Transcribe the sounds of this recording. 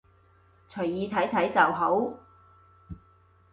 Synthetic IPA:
t͡sʰɵ˨˩ɥjiː˨˧t̪ʰɐ˨˥jt̪ʰɐ˨˥jt͡sɐ˨wɦo˨˥w

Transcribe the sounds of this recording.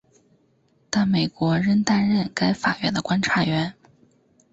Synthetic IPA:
t̪a˥˩nme˨˩ɪkwɔ˧˥ɻə˥nt̪a˥˧nɻə˥˩nka˥ɪfa̰˨˩ɥɛ̰˧˥nd̪ə˧kwa˥nʈ͡ʂʰa˧˥ɥɛ˧˥n

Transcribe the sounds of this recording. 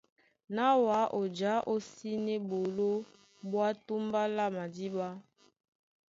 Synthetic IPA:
na˦wa˨˦ʔo˨d͡ʒa˨˦ʔo˦si˦nɛ˦bo˨lo˦ | bwa˦tu˦mba˦la˦ma˨di˦ba˦

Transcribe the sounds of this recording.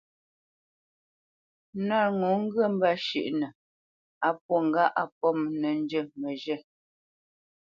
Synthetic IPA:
na˦˨ɾŋɔ˨˦ŋ̩˦ɡə˦˨m̩˦ba˦˨ʃḭ˦˨ʔnə˨ | a˨p̚wɔ˦˨ŋ˨ɡa˦ʔa˨pɔ˦˨mnə˨n˦d͡ʒə˦˨mə˨ʒə˦˨

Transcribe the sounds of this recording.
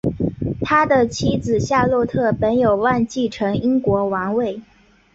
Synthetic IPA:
t̪ʰa˥d̪ə˨t͡ɕʰi˥d͡zɹ̩˨˩ɕja˥˧lwɔ˥˧t̪ʰɤ˥˩pə˧˥njo˨˩ʊwa˥˧nt͡ɕi˥˩ʈ͡ʂʰɤ˧˥ŋi˥ŋkwɔ˧˥wɑ˧˥ŋwe˥˩ɪ

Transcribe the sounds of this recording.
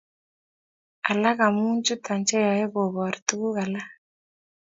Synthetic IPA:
a˨la˦ɣa˨mu˦nt͡ʃu˦tʰa˨nt͡ʃɛ˦ja˨ɛ˦βɔ˨βɔ˨ɾi˨tu˦ɣu˦ɣa˨la˦

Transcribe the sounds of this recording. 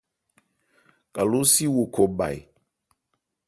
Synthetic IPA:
kʼa˨lu˦si˦wu˨kʰo˨ba̰˨j

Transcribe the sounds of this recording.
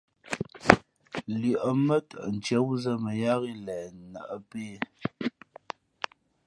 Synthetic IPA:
lʉ˨ʔə˨mə˦tə˨ʔn̩˨t͡ʃɛ˨˦wzə˦mə˨ja˦ɣi˦lɛː˨nə˨ʔə˦peː˦˨

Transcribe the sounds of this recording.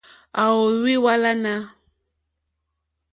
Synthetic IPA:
a˨wo˨wi˦wa˦la˦na˦

